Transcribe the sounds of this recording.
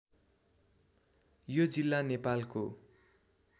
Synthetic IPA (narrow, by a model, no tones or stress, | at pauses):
jod͡zilːanepalko